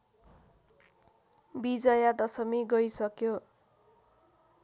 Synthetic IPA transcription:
bid͡zʌjad̪ʌsʌmiɡʌjsʌkjo

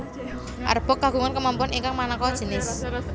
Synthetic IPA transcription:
ʔa̰rb̥ə̤kːaɡ̥ṳŋankəmampʊniŋkaŋmanakɔd̥ʒ̥ə̤nɪs

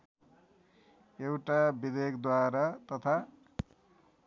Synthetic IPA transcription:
ewʈabid̪ekʰd̪waɾat̪ʌt̪ʰa

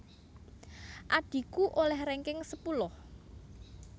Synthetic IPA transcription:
ʔaɖ̥i̤kuʔolɛhɾeŋkɪŋsəpulʊh

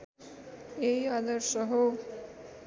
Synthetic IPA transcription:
eiad̪ʌɾsʌɦo

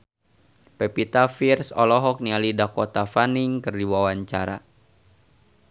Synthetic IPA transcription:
pɛpit̪afirsɔlɔɦɔk̚nialidakɔt̪afaniŋkərdiwawaɲt͡ʃaɾa̰

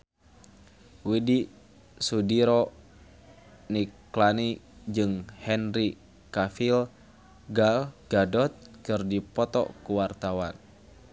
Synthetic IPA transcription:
widi | sudiɾɔ | niklanid͡ʒɨŋhɛnɾi | kafil | ɡalɡ̥adɔt̪̚kɨrdipɔt̪ɔ̰kuwart̪awan

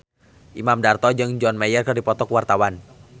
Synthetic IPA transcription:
ʔimamdart̪ɔd͡ʒɨŋd͡ʒɔnmajərkɨrdipɔt̪ɔkwart̪awan

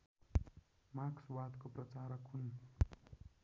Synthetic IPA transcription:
makswad̪koprʌt͡saɾʌkun

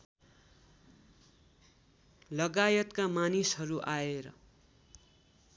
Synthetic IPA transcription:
lʌɡajʌt̪kamanisɦʌɾuʔaeɾʌ̰

